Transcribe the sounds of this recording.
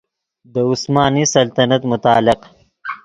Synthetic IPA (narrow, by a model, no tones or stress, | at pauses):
d̪əʊsmɑːnisɐlt̪ɐnɐt̪mʊt̪ɑːlɪq